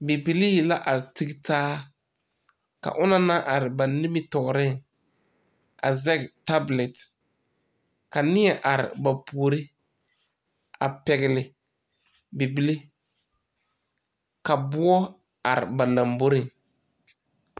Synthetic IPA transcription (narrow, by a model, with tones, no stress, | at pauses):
bi˨bi˦li˦˨la˦ʔa˨ɾɪ˨ti˦ɡtaː˦ | ka̰˨ʔʊ˦na˦na˦ʔa˨ɾɪ˨ba˨nɪ˦mɪ˦tɔ˨ɣɾɪ˦˨ŋ | a̰˨zɛ˦kta˦blɛ˨t | ka˨nɪ˦ɛ˦ʔa˨ɾɪ̰˨ba˨pu˨o˨ɾɪ˦ | a̰˨pɛ˨ɣɪ˨lɪ˨ | bi˨bi˦li˦ | ka˨bʊ˦ɔ˦ | a˨ɾɪ̰˨ba˨la˨mbo˦ɾɪ˦ŋ